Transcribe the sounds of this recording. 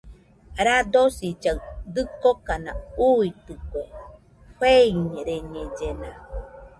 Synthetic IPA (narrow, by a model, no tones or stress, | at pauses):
ɾad̪osid͡ʒad̪ɨkokana̰uit̪ɨko | heiɲeɾeɲed͡ʒena